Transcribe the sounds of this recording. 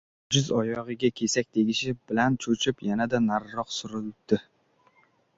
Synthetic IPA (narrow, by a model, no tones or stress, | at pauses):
d͡ʒɪzɒjɒʁɨɡʲakʲʰe̞sak̚ʲd̪eɡʲɪʃɪbɪlant͡ʃʰot͡ʃʰɪpjanad̪anaɾːɒqsʊɾɪld̪̥ɪ